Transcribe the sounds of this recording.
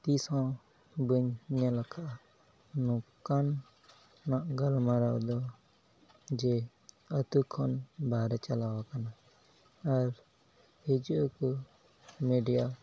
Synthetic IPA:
t̪iːsɔ̃ | bəɲɲalakʰaʔ | nukːanː | aʔɡəlmaɾawd̪ɔ | d͡ʒe | ət̪ukʰːɔnbaːɾɛt͡ʃalawakanaː | ɾ | hed͡ʒoku | meɖija

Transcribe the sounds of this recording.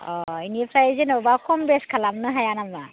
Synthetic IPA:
ɔiniɛpʰɾajezenɔbakʰɔmbɛskʰalamnɯɦajanama

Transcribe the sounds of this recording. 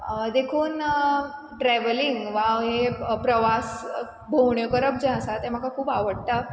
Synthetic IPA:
d̪ekʰuːn | ʈɾɛʋəliŋɡʋãɦepɾəʋas | bʱowɳjəkəɾəp̚d͡ʑɛ̃əsat̪em̤akakʰuːpaʋəɽt̪a

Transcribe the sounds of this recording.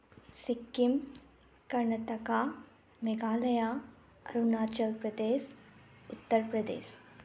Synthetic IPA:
sikːim | kɐɾɳɐt̪ɐkaː | meɡaːlɐjaː | ɐɾunaːt͡ʃɐlpɾɐd̪eːs | ut̪ːɐɾpɾɐd̪ḛːʃ

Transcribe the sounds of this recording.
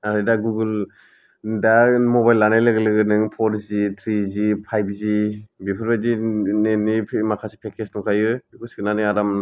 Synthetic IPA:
aɾɯjdaɡuɡɯl | damɔbajlːanajlɯɡɯlɯɡɯnɯŋpʰɔɾzit̪ʰɾizipʰajp̚ʰzibipʰɯɾbazinenipʰmakʰasi̥pʰekʰesnɔkʰajɯkʰusi̥kɯnanɯŋaɾam

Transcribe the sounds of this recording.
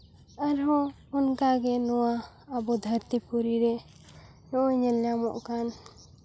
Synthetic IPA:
aɾɔ̃ː | nkaɡɛnɔwaː | bɔd̪ʱəɾt̪ipuɾiɾɛ | nɔʔɔɲɛljamɔ̰ʔkan

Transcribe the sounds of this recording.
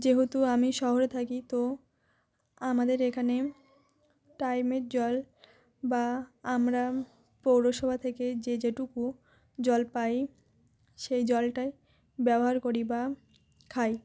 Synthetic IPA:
d͡ʑeɦot̪uamiʃɔɦoɾet̪ʰakit̪o | amad̪eɾekʰane | ʈajmeɾd͡ʑɔl | baamɾa | powɾoʃɔbʱat̪ʰeked͡ʑed͡ʑeʈuku | d͡ʑɔlpaj | ʃejd͡ʑɔlʈaj | bɛboɦaɾkoɾiba | kʰaj

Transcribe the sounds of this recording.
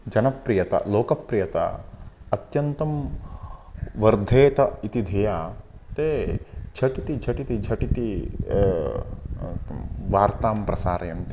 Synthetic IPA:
d͡ʒɐnɐpɾijɐt̪ɐ̰loːkɐpɾijɐt̪a̰ɐt̪jɐnt̪ɐm | ʋɐɾd̪ʱeːt̪ɐit̪id̪ʱɐjaːt̪eːd͡ʒʰʱɐʈit̪id͡ʒʰʱɐʈit̪id͡ʒʱɐʈit̪i | ʋaːɾt̪aːmpɾɐsaːɾɐjɐmt̪i

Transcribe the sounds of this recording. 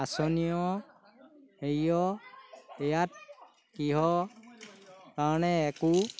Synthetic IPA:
asɔnijɔ | hejɔ | ɛjat̚ | kiɦɔ | kaɹnɛːku

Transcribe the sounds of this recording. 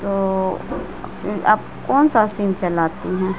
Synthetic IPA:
t̪oː | fʰɪɾa̰b̚ | kɔːnsasiːnt͡ʃɐlaːt̪iɦɛ̃ː

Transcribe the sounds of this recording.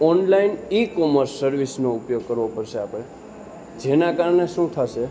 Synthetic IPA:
ɔnlainikɔməɾsːəɾʋisnoʊpjoɡ̚kəɾʋopəɾʃeapɽ̃e | d͡ʒenãkaɾɳeʃũt̪ʰaʃe

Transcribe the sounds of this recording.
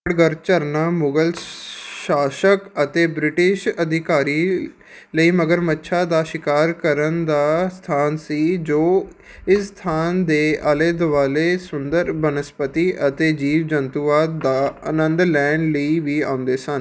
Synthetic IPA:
ɽɡəɾt͡ʃəɾnaːmʊɡəlʃaːʃəkət̪eːbɾɪʈɪʃəd̪ʱɪkaːɾiː | ləiːməɡəɾmətːʃʰaːd̪aːʃɪkaːɾkəɾənd̪aːst̪ʰaːnsiːd͡ʒoː | ɪsst̪ʰaːnd̪eːʔaːleːd̪ʋaːleːsʊnd̪əɾbənəspət̪iːʔət̪eːd͡ʒiːʋd͡ʒənt̪uːʋaːd̪ːaːə̰nənd̪lɛːɳləiːʋiːaːʊ̃nd̪eːsən

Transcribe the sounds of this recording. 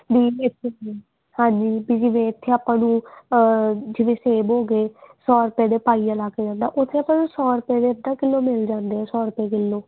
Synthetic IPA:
biːɪt̪ʰːee | hãːɲd͡ʒiːbiːd͡ʒɪʋẽːɪt̪ʰːeːaːpãːnũː | d͡ʒɪʋẽːseːbɦoːɡeːsɔːɾəpaːd̪eːpaːiːalaːkeːd͡ʒãːnd̪aːʔʊt̪ʰːeːaːpãːnũːsɔːɾəpaːd̪eːəd̪ãːkɪlːoːmɪld͡ʒãːnd̪eːɛːsɔːɾəpeːk̬ɪlːoː

